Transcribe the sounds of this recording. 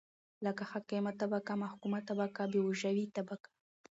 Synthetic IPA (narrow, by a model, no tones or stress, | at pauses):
lakaxakemat̪abakamahkumat̪abakabewuʒawit̪abakḁ